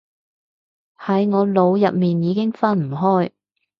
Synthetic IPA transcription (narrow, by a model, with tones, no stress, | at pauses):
hɐ˨˥jŋɔː˨˧lo˨˧wjɐ˨p̚miː˨njiː˨˧kɪ˥ŋfɐ˥nm̩˨˩ɦɔː˥j